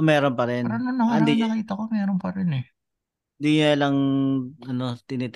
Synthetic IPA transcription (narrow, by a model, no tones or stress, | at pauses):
mɛːɾonpɐɾɛnɾononoɐnd̪iɐkiːt̪ɐkomɛːɾonpɐɾɪnɛ | nd̪iɲoɐlɐŋ | ɐno̞t̪ɪnɛt̪